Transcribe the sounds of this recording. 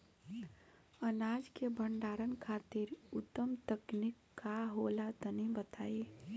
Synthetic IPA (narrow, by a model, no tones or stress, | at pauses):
ənad͡ʒkebəɳɖaɾənkʰat̪iɾʊt̪ːəmt̪əknikːaɦolat̪ənibət̪ae